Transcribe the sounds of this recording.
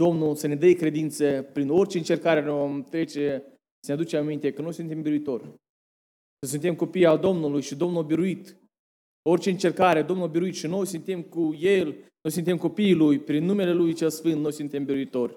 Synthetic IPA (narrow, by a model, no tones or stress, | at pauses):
d̪̥o̞mnulsəned̪əjkɾe̞d̪int̪səpɾino̞rʲt͡ʃe̞ɨnt͡ʃe̞rkaɾenevo̞mt̪ɾe̞t͡ʃe̞ | sənead̪ut͡ʃemamint̪e̞kəno̞jsunt̪embiɾuit̪o̞rʲ | səs̬unt̪e̞mko̞pijald̪o̞mnulujʃid̪o̞mnuabiɾuit̪ | o̞rʲt͡ʃe̞ɨnt͡ʃerkaɾed̪o̞mnulabiɾuit̪ʃino̞jsunt̪emkujelno̞jsunt̪e̞mko̞piːlujpɾinːume̞le̞lujt͡ʃelsfɨnt̪̚no̞jsunt̪e̞mbiɾuit̪o̞rʲ